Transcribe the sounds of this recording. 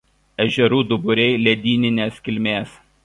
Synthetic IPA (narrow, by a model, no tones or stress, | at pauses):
ɛʒʲɛɾuːd̪ʊbʊɾʲɛɪlʲɛd̪ʲiːnʲɪnʲeːskʲɪlʲmʲeːs